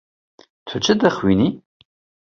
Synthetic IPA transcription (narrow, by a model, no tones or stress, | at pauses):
tʷʰʊt͡ʃʼɨdɐχwḭniː